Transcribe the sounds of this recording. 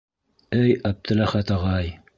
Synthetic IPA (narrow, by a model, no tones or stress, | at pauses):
ɘjɑb̚t̪ʰɘ̆læχæt̪ɑʁɑj